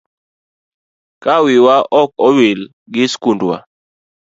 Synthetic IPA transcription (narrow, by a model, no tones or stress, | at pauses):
kawiwaʔɔkɔwil | ɡɪskundwa̰